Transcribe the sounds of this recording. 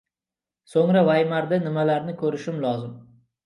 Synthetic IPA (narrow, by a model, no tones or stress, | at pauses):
soŋɾavajmaɾd̪ɪnɪmalaɾnɪkʲʰɵɾɪʃɪmlˠɒzɪm